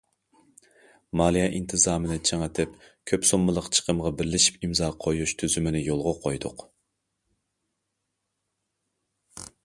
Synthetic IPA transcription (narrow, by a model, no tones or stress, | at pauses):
mɑlˠijɛʔint̪ʰɨzɑːmɨnɪt͡ʃʰeŋet̪ʰɪp | kʲʰøpsomːɨlˠəqt͡ʃʰə̥qʰəmʁɑbɪɾlɪʃi̥pimzɑːqʰojuʃt̪ʰyzymɪnɪjolˠʁʊqʰojd̪ʊ̰q